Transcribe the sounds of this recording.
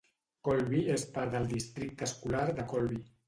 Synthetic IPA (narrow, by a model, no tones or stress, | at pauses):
kɔlβiespaɾðəlˠd̪ist̪ɾik̚t̪əskulaɾðəkɔlβi